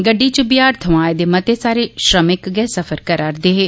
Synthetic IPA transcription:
ɡəɖːit͡ʃəbɪjaːɾt̪ʰəʋaːed̪eːmət̪esaːɾeʃɾəmɪkɡɛːsəfʰəɾkəɾaːɾd̪eːɦeː

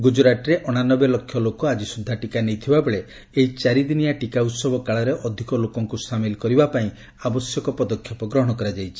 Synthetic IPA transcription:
ɡud͡ʒɾaʈɾeʔɔɽ̃anɔbelɔkʰːjɔlokɔad͡ʒisud̪ʱːaʈikanejt̪ʰibabeɭe | eɦit͡ʃaɾid̪inijaʈikaut̪sɔbɔkaɭɔɾeʔɔd̪ʱikɔlokɔŋkusamilɔkɔɾibapaĩ | abɔsjɔkɔpɔd̪ɔkʰjɔpɔɡɾɔɦɔɽ̃ɔkɔɾad͡ʒajt͡ʃʰi̥

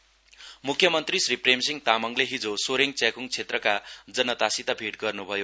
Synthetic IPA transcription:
mukʰːjʌmʌnt̪risripremsiŋt̪amʌŋleɦid͡zosoɾeŋt͡sekuŋt͡sʰet̪rʌkad͡zʌnʌt̪asit̪abʱiʈɡʌrnubʱʌjo

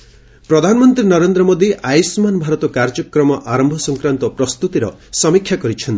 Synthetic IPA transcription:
pɾɔd̪ʱanɔmɔnt̪ɾinɔɾend̪ɾɔmod̪iʔajsmanbʱaɾɔt̪ɔkaɾd͡ʒɔkɾɔmɔʔaɾɔmbʱɔsɔŋkɾant̪ɔpɾɔst̪ut̪iɾɔsɔmikʰːjakɔɾit͡ʃʰɔnt̪

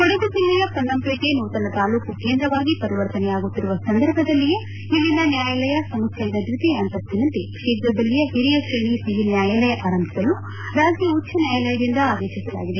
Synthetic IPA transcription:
koɽed̪usilːijɐkɐnːɐmpekenuːt̪ɐnɐt̪aːluːkukeːnd̪ɾɐʋaːɡipɐɾiʋɐɾt̪ɐnɛjaːɡut̪ːiɾuʋɐsɐnd̪ɐɾbʱɐd̪ɐlːije | ilːinɐnjaːjɐlɐjɐsɐmɐkʰjɐid̪ɐd̪ɾut̪eɐnt̪ɐt̪ːinɐnt̪eʂiːd̪ɐbːɐlijɐɦiɾijɐkʂeɳisiɦinjaːjɐlɐjɐʔaːɾɐmbʰʱi̥sɐlu | ɾaːd͡ʒiutːt͡ʃʰːɐnjaːjɐlɐjɐd̪ind̪ɐaːd̪eːʃisɐla̰ːɡid̪e̞

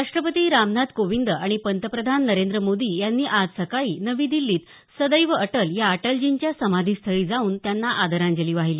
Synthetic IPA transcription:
ɾaʂʈɾəpət̪iːɾamnad̪koʋind̪əaɽ̃ipənt̪əpɾəd̪ʱanːəɾend̪ɾəmod̪iːjanːiːʔad͡zsəkaiːnəʋiːd̪ilːiːt̪ | səd̪əjʋəəʈəljaəʈəld͡ʑiɲt͡ɕjasəmad̪ʱiːst̪ʰəɭiːd͡zauːnt̪janːaʔad̪ʱəɾãɲd͡ʑəliːʋaɦiliː

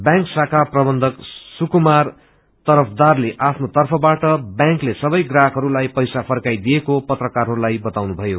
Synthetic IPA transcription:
bjãŋksakʰaprʌbʌnd̪ʱʌksukumar | t̪ʌɾʌpʰd̪arleʔapʰnot̪ʌrpʰʌbaʈʌbjãŋklesʌbʌjɡrakʰɦʌɾulajpʌjsapʰʌrkajd̪ijekopʌt̪rʌkarɦʌɾulajbʌt̪awnubʱʌjo

